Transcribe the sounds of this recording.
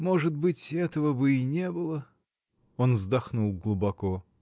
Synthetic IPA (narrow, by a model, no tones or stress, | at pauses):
mo̞ʐɨt̪̚bɨtʲɛt̪əvəbɨinʲebɨlˠə | onvzd̪ɐxnulˠɡlˠubɐko